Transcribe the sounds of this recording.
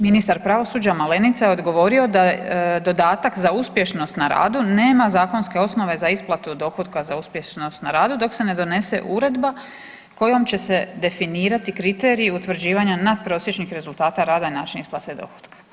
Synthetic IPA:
minist̪aɾpɾaʋo̞suːd͡ʒamale̞nit̪sajeo̞d̪ɡo̞ʋo̞ɾio̞d̪ad̪o̞d̪aːt̪akzauspje̞ʃno̞st̪naɾa̰ːd̪une̞ːmazaːko̞nske̞o̞sno̞ʋe̞zaisplˠat̪ud̪o̞xot̪kazauspje̞ʃno̞st̪naɾaːd̪ud̪o̞kse̞ne̞d̪o̞ne̞se̞̰ʔuɾe̞d̪ba | ko̞jo̞mt͡ɕe̞se̞d̪e̞finiːɾat̪ikɾit̪e̞ːɾiːut̪ʋr̩d͡ʑiːʋaɲanad̪̚pɾo̞sje̞t͡ʃnixɾe̞zulˠt̪aːt̪aɾaːd̪ainaːt͡ʃinisplˠat̪ed̪o̞̰xo̥d̪kḁ

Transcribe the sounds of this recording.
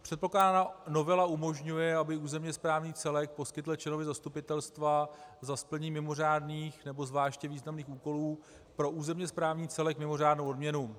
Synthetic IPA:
pr̝̥ɛt̪̚po̞klaːdaano̞vɛlaumo̞ʒɲujɛabɪuːzɛmɲɛspɾaːvɲiːt͡sɛlɛk̚po̞skɪt̪l̩t͡ʃlɛno̞vɪzast̪upɪt̪ɛlst̪vazaspl̩ɲiːmɪmo̞raːdniːxnɛbo̞zvlaːʃcɛviːznamniːxuːko̞luː | pɾo̞ʔuːzɛmɲɛspɾaːvɲiːt͡sɛlɛkmɪmo̞raːdnowodmɲɛnu

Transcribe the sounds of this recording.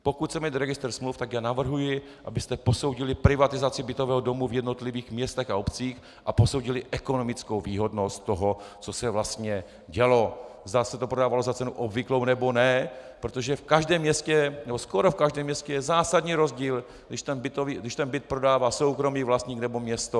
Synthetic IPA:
po̞kut̪̚sɛmɛt̪ɾɛɡɪst̪ɛɾsmluft̪aɡjaːnavr̩ɦujɪ | ʔabɪst̪ɛpo̞so̞wɟɪlɪpɾɪvat̪ɪzat͡sɪbɪt̪o̞vɛːɦodo̞muvjɛdno̞t̪lɪviːxmɲɛst̪ɛxaopt͡siːx | ʔapo̞so̞wɟɪlɪʔɛko̞no̞mɪt͡skowviːɦo̞dnost̪t̪ːoɦot͡so̞sɛvlast̪ɲɛ | ɟɛlo̞zd̪asɛt̪opɾodaːvalozat͡sɛnuʔobvɪklo̞wnɛbonɛpɾot̪o̞ʒɛfkaʒdɛːmːɲɛscɛnɛboskoɾofkaʒdɛːmːɲɛst̪cɛjɛzaːsadɲiːɾo̞zɟiːl | ɡdɪʃt̪ɛnbɪt̪oviːɡdɪʃt̪ɛnbɪt̪̚pɾo̞daːvaːso̞wkɾo̞miːvlast̪ɲiːknɛbo̞mɲɛst̪o

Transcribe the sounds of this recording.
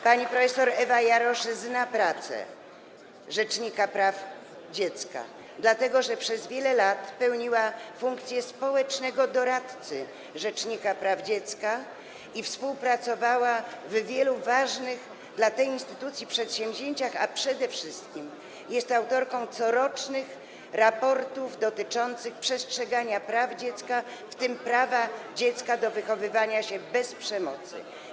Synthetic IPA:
paɲipɾɔfɛsɔɾɛvajaɾɔʂznapɾat̪sɛ̰ | ʐɛt͡ʂɲikapɾaf | d͡ʑɛt̪ska̰ | d̪lat̪ɛɡɔʐɛpʂɛzvʲjɛlɛlat̪pɛwɲiwafuŋk̚t̪sʲjɛspɔwɛt͡ʂnɛɡɔd̪ɔɾat̪t̪sɘ | ʐɛt͡ʂɲikapɾavd͡ʑɛt̪ska | ifspuwpɾat̪sɔvawavvʲjɛluvaʐnɘɣ | d̪lat̪ɛjinst̪ɘt̪ut̪sʲjipʂɛt̪ɕɛ̃mʲʑeɲt͡ɕaxa̰pʂɛd̪ɛfʂɘst̪̚kʲim | jɛst̪awt̪ɔɾkɔ̃w̃t̪sɔɾɔt͡ʂnɘx | ɾapɔɾt̪uvd̪ɔt̪ɘt͡ʂɔnt̪sɘxpʂɛstʂɛɡaɲapɾavd͡ʑɛt̪skaft̪ɘmpɾavad͡ʑɛt̪skad̪ɔvɘxɔvɘvaɲaɕɛbɛspʂɛmɔ̰t̪sɘ̰

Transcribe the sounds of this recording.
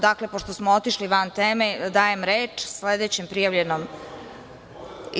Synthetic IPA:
d̪akle̞poʃt̪osmoot̪iʃliʋant̪eːmed̪aːje̞mɾeːt͡ʂsled̪et͡ɕempɾijaʋʎenom

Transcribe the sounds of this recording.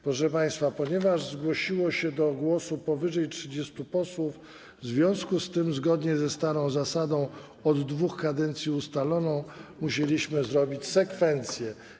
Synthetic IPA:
pɾɔʂɛpaj̃st̪fapɔɲɛvaʐzɡwɔɕiwɔɕɛd̪ɔɡwɔsupɔvɘʐɛjtʂɘd͡ʑɛst̪upɔswuf | zvʲjɔ̃w̃skust̪ɘmzɡɔd̪ɲɛzɛst̪aɾɔ̃w̃zasad̪ɔ̃w̃ | ɔd̪ːvuxkad̪ɛnt̪sʲjiust̪alɔnɔ̃w̃muɕelʲiɕmɘzɾɔbʲit͡ɕsɛkfɛnt̪sʲjɛ

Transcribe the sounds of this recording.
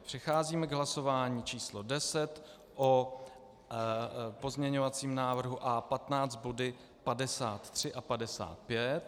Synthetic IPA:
pr̥ɛxaːziːmɛɡɦlaso̞vaːɲiːt͡ʃiːslodɛsɛt̪ | ʔo | po̞zmɲɛɲovat͡siːmnaːvr̩ɦuʔapat̪naːt͡st̪̚bo̞dɪ | padɛsaːt̪ːr̝̥ɪʔapadɛsa̰ːt̪̚pjɛt̪

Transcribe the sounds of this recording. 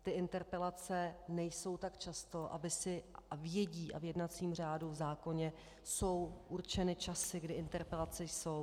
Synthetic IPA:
t̪ɪʔɪnt̪ɛɾpɛlat͡sɛnɛjso̞wt̪akt͡ʃast̪o̞ʔa̰bɪsɪavjɛɟiːʔa̰vjɛdnat͡siːmr̝aːduvzaːko̞ɲɛ | so̞wʔurt͡ʃɛnɪt͡ʃasɪɡdɪʔɪnt̪ɛɾpɛlat͡sɛjso̞w

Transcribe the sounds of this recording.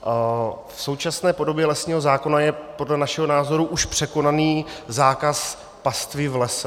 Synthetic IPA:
fso̞wt͡ʃasnɛːpo̞do̞bjɛlɛsɲiːɦo̞zaːko̞najɛpo̞dlɛnaʃɛɦo̞naːzo̞ɾuʔuʃpr̥ɛko̞naniːzaːkas | past̪vɪvlɛsɛ

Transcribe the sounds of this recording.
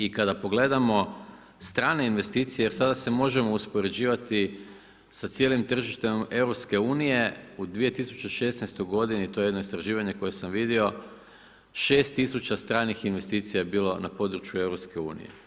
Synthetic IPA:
ikad̪apo̞ɡle̞d̪amo̞ | st̪ɾaːne̞inʋe̞st̪iːt̪sijejeɾsad̪ase̞mo̞ʒe̞mo̞uspo̞ɾe̞d͡ʑiːʋat̪i | sat̪sjeːlimt̪r̩ʒiʃt̪eme̞wɾopske̞uːnije̞ud̪ʋije̞t̪isu̥t͡ʃeʃe̞snɛjst̪ojɡo̞d̪init̪o̞jeenoist̪ɾaʒiːʋaɲe̞ko̞je̞samʋid̪io̞ | ʃe̞ːst̪isut͡ɕast̪ɾaːnixinʋe̞st̪iːt̪sijajebiːlˠo̞napo̞d̪ɾut͡ʃjue̞wɾo̞pske̞ṵːnḭjḛ

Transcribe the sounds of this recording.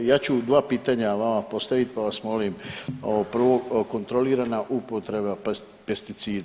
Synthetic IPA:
jaːt͡ɕud̪ʋaːpiːt̪aɲaʋamapo̞st̪aʋit̪̚paʋasmo̞limoopr̩ʋʋo̞ko̞nt̪ɾo̞liːɾanaʔupo̞t̪ɾe̞ba | pest̪it̪siːd̪

